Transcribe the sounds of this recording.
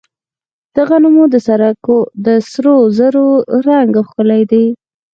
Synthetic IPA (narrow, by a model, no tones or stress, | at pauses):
d̪̥aɣanumod̪əsaɾakod̪əsɾozəɾoɾɑŋɡaxkəlajd̪aj